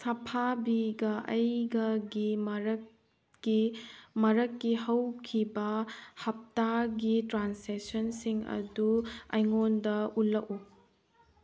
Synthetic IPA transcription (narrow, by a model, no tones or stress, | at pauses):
sɐpʰabiɡɐʔɐjɡɐɡimɾ | imɐɾɐkːihɐwkʰibɐhɐp̚taɡitɾansesɐnsiŋɐ̰duɐ̰jŋondɐulːɐku